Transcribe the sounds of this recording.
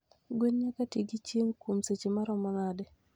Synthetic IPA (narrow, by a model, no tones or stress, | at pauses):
ɡwenɲakatiɡit͡ʃjeŋkwomset͡ʃemaɾɔmɔnadɛ